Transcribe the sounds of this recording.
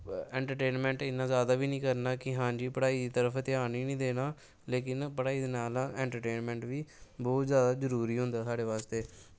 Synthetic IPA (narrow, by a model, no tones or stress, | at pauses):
ɛːɳʈəɾʈeːnmɛ̃ːɳʈɪnːãːzjaːd̪aːʋiːnĩːkəɾnaːkɪɦãːɲd͡ʒiːpəɽaːiːd̪iːt̪əɾəfʰt̪ɪaːniːnĩːd̪eːnaː | leːkɪnpəɽaːiːd̪eːnaːlãɛ̃ːɳʈəɾʈeːnmɛ̃ːɳʈʋiːbɔːt̪zjaːd̪aːzəɾuːɾiːɦʊ̃nd̪aːsaːɽeːʋaːst̪eː